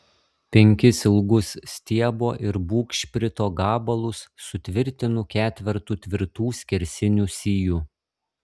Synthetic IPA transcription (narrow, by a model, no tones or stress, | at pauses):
pʲɛŋʲkʲɪsɪlˠɡʊssʲt̪ʲiɛboːʔɪɾbuːkʃʲpʲɾʲɪt̪oːɡɑːbɐlˠʊsːʊt̪ʲʋʲɪɾʲt̪ʲɪnʊkʲæːt̪ʲʋʲɪɾt̪uːt̪ʲʋʲɪɾt̪uːsʲkʲɪɾʲsʲɪnʲuːsʲiːjuː